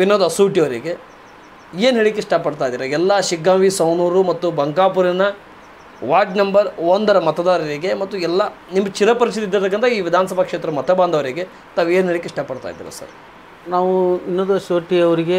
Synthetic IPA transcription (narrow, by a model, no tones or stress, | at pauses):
ʋinːoːd̪ɐsuːʈiɐʋɐɾiɡe̞ | eːnɦeːɭikːeʂʈaːpːɐɽt̪aːjd̪iːɾɐɛlːɐʃiɡːaːʋisɐwnuːɾumɐt̪ːubɐŋɡaːpuɾɐnɐ | ʋaːɾɖnɐmbɐɾond̪ɐɾɐmɐt̪ɐd̪aːɾɐɾiɡe̞mɐt̪ːuɛlːɐ | nimːt͡ʃiɾɐpɐɾit͡ʃit̪id̪ɐɾt̪ɐkːɐnt̪ɐiːʋid̪ʱaːnɐsɐbʱakʂeːt̪ɾɐɐmɐt̪ɐbaːnd̪ʱɐʋɐɾiɡe̞ | t̪aːʋueːnɦeːɭikːeiʂʈaːpːɐɽt̪a̰ːjd̪ḭːɾɐ̰sɐ̰ɾ | naːʋuinːoːd̪uɐsuːʈiɐʋɐɾiɡe